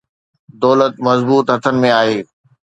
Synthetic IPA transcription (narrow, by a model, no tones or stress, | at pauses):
d̪ɔːlət̪mɐzbuːt̪ɦɐt̪ʰənɪ̆mẽaːɦeː